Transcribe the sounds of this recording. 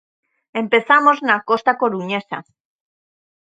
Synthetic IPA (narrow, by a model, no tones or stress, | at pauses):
e̞mpe̞θamo̞znako̞st̪ako̞ɾuɲe̞sa